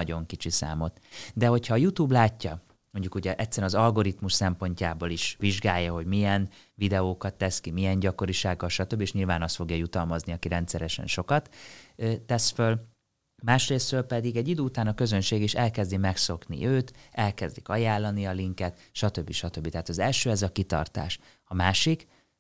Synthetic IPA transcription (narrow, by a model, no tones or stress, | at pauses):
ɒɟo̞ŋkit͡ʃisa̰ːmo̞t̪d̪ɛɦo̞chɒːjut̪uːblaːcːɒ | mo̞ɲɟukuɟɛʔɛt̪ʲsːɛɾɛnɒzɒlɡo̞ɾit̪muʃsɛmpo̞ɲcaːboːliʃʋiʒɡaːjːɒɦo̞ɟmijɛn | vid̪ɛoːkɒt̪ːɛskimijɛɲɟɒko̞ɾiʃaːɡːɒlʃɒt̪øbːieʃɲilvaːnɒst̪fo̞ɡjɒjut̪ɒlmɒzniɒkiɾɛnt̪sɛɾɛʃɛ̰nʃo̞kɒt̪ː | ɛsføl | maːʃreːsrøːlpɛd̪iɡɛɟːid̪øːut̪aːnɒkø̞zø̞nʃeːɡiʃɛlkɛzd̪imɛkso̞knḭʔøːt̪ɛlkɛzd̪ikɒjaːlːɒniɒliŋkɛt̪ʃɒt̪ø̞bːiʃɒt̪øbːit̪ɛɦaːt̪ɒzɛlʃøːɛzɒkit̪ɒ̰rt̪a̰ːʃ | ɒmaːʃik